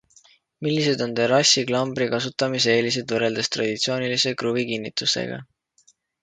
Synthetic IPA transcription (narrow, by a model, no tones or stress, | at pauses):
milːise̞d̪o̞nt̪e̞ɾɑsiklɑmbɾikɑsut̪ːˑɑmis̬e̞ːlis̬ed̪̥vɤɾe̞ld̪̥est̪rɑ̰d̪̥it̪sio̞ːnilise̞kɾubikinːit̪ˑusḛɡ̥ɑ̰